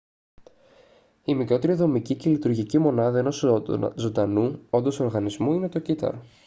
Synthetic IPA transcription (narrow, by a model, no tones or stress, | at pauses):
imikɾo̞t̪e̞ɾiðo̞micicelit̪uɾʝicimo̞nɐðɐeno̞szo̞nd̪ɐnuo̞nd̪o̞so̞ɾɣɐnizmuine̞t̪o̞cit̪ɐ̰ɾ